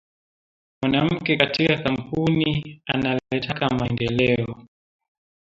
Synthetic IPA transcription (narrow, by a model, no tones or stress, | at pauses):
mwanam̩kɛkatikakam̩punia̰nalɛtakamaɛndɛlɛɔ